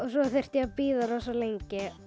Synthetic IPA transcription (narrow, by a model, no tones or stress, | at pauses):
ɔsɔθer̥t̪japiːðaɾɔsɔlejɲcɪ